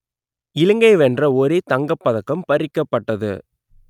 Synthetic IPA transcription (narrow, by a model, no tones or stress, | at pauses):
ɪlɯŋɡɐɪʋɛndrɐɔɾeːt̪ɐŋɡɐpːɐðɐkːɐmpɐɾɪkːɐpːɐʈːɐðɯ̰